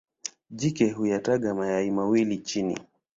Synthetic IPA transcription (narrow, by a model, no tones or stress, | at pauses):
ʄikɛɦujataɠamajaimawilit͡ʃinḭ